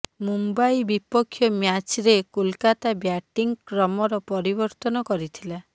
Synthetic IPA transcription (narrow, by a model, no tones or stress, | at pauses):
mumbajbipɔkʰːjɔmjat͡ʃɾekulkat̪abjaʈiŋkɾɔmɔɾɔpɔɾibɔɾt̪ɔnɔkɔɾit̪ʰila